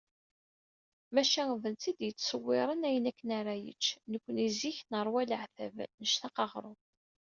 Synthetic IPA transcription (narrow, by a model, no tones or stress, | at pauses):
mæʃæŋvənt͡s̪id̪jət͡sːsəwːɪɾˤənæjənækːənaɾajə̰t͡ʃːnəkʷːəniziçnəɾˤwælʕθæ̰vnəʃθɑqɑʁɾˤʊ